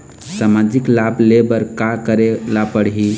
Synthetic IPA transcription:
samad͡ʒiklablebəɾkakəɾelapəɽɦi

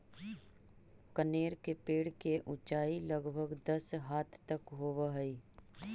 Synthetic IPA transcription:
kəneːɾkepeːɽkeʔʊt͡ʃaːilɐɡbʱəɡd̪ɐsɦaːt̪ʰt̪əkɦoːʋaɦəi

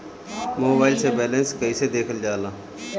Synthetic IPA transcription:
moːbaːɪlseːbeːlẽːnskəiːseːd̪eːkʰəld͡ʒaːlãː

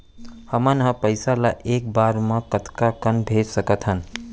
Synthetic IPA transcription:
həmənɦə̃pəɪsalaʔek̚baɾmə̃kət̪kakənbʱeɾsəkət̪ʰɦən

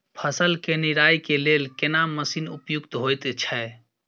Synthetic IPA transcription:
pʰəsəlkenɪɾaːjkeleːlkenaməsinʊpjʊɡt̪ɦojt̪t͡ʃʰɛ

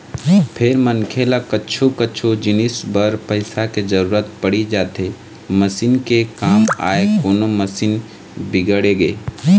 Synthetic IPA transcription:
pʰɪɾmənkʰeːlakəːt͡ʃʰokəːt͡ʃʰod͡ʒɪnɪsbəɾpəɪsaked͡ʒəɾuːɾət̪pəɽid͡ʒaːt̪e | məsiːnkekaːma̰ːekoːnoməsiːn | bɪɡəɽeɡeː

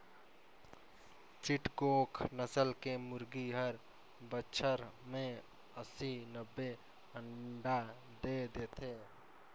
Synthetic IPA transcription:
t͡ʃɪʈkoːkʰnəsəlkemʊɾɡiɦəɾ | bəʃʰəɾmẽ | əsinəbːe | əɳɖa | d̪eːd̪eːt̪ʰeː

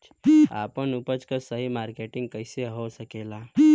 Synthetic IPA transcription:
a̰ːpənupət͡ʃkəsəɦimaɾkeʈɪ̃ŋɡ̚kəɪseɦosəkela

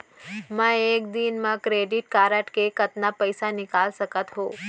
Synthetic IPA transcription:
mə̃ekd̪inmãkɾeɖiʈkaɾəʈkekət̪napəjsanɪkalsəkət̪ɦõ

